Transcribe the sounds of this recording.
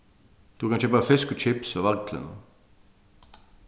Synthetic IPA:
d̪̥ukʰɑnçøːpəfɪskʉt͡ʃɪpsɔʋɑɡt̪ʰlə̰nə

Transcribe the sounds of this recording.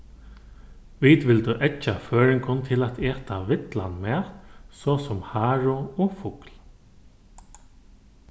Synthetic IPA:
ʋit̪ʋɪlt̪ʏʔɛt͡ʃːaføːɹɪŋkʊnt̪ʰɪlat̪ɛːt̪aʋɪt̪la̰nmɛːt̪sɔsɔmhaːɹʊɔːfʊkl

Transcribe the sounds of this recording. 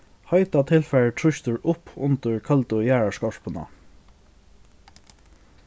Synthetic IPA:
hɑɪt̪ɑt̪ʰɪlfæɹʈʰɹʏçt̪əɹʔʊpʰʊ̰nt̪əɹkʰɑlt̪ʊjæːɹɑʂkɑʂpʰənɑ̰

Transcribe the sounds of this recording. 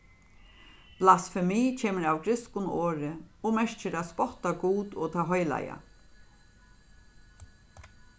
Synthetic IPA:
plasfɛmiːt͡ʃʰeːməɾawkɾɪskʊnoːɾɪɔmɛʂt͡ʃɪɾæːspɔht̪aɡuːt̪ɔt̪ʰaɦɔjla̰ja̰

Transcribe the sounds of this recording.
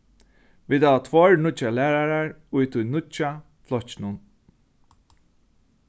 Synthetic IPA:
viːt̪aʋat̪ʰvɔɹnʊt͡ʃalæːɾaɾaɹʊjt̪ʰʊjnʊt͡ʃa | flɔt͡ʃnʊn

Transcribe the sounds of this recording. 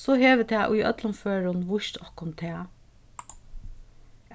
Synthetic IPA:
sɔɦeːʋət̪ʰɛːʔʊ̰jœ̰t̪lʊnføːɹʊnʋʊʃt̪ʰɔhkʊnt̪ʰɛː

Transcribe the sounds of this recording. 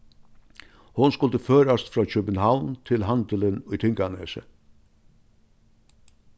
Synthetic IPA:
hʊnskʊlt̪əføːɾast̪fɾɑːt͡ʃœbənɦawnt̪ʰɪlɦand̪ələnʊjt̪ʰɪŋkanḛsə̰

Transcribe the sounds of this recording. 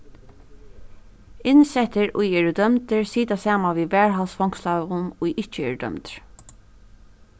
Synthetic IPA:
ɪnsɛt̪əɹʊjɛːɹd̪œmt̪əɹsiːt̪asaːmaʋiːʋæːɹɦalsfɔŋkslaːʋʊnujʔɪht͡ʃəɛ̰ːɹd̪œ̰mt̪ɹ

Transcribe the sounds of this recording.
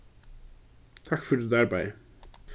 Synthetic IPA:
t̪ʰakfɪɾɪɾðɛɾpaːjɪ̰

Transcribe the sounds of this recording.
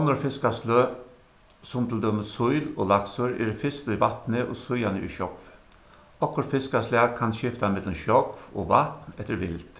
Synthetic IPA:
ɔnɔɾfɪskasløː | sɔmt̪ld̪œməsʊʏlo̰ːlɑksɔɾɛ̰ːɾfɪst̪ʊiːʋɑt̪nəʔo̰ːsʊjanəḭːʃɔkf | ɔkːɔɾfɪskaslæːɡkʰɑnʃɪft̪aɪmɛd̪ləmʃɔkfo̰ːʋɑt̪nɛt̪ːəɾʋɪ̰lt̪

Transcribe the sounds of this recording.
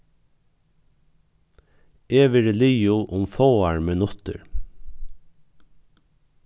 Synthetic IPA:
ʔeːʋəɾliːʊʔʊmfoːɑɹmənʊt̪ə̰ɹ

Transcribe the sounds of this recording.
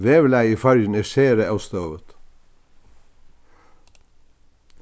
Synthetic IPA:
ʋeːʋlæɪiːfæɾjən̩eːʃeːɾəɑst̪oːʋət̪

